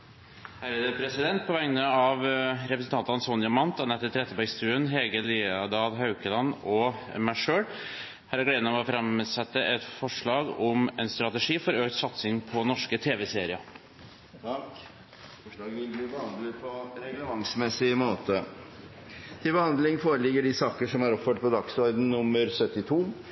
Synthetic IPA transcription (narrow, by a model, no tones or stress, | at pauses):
hæːɾæd̪ɛpʰɾɛsɪd̪ɛnt̪̚pʰɔʋɛŋnəɑʋɾɛpɾəsən̩t̪ʰɑnt̪ɑnsɔnjɑmɑnt̪ɑnɛt̪ːət̪ʰɾɛt̪ːəbæɪst̪ʉːənɦɛɡəliːɑd̪ɑːlɦɑʉkəlɑnɔmæʂøːɽ | hæːɾæɡɽeːd̪nəʋɔfɾɑmsɛt̪ːəʔɛt̪fɔʂɭɑːɡɔmɛnst̪ɾɑt̪ɛʂiːfɔɾøːk̚t̪sɑt̪sɪŋpʰɔnɔʂkət̪ʰeːʋɛseːɾɪɑ | ɔɑːɡʋɪlbliːbəhɑnd̪lɪpʰɔɾɛləʋɑŋsmɛsɪmoːt̪ə | t̪ʰɪlbəhɑnd̪lɪŋfoːɾəlɪɡəɖɪsɑːkəʂɔmɑɾɔpføːʈ̚pʰɔd̪ɑksɔɾd̪n̩nʊmːəɾsœt̪ːɪt̪ʰuː